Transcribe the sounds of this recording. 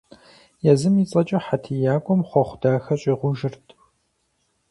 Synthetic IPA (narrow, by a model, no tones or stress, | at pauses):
jɛzɨmit͡sʼɐt͡ʃʼɐħatʰijaːkʷʼɔmχʷɔχʷʊdaːxɐɕʼiːʁʷʊʒɪrtʰ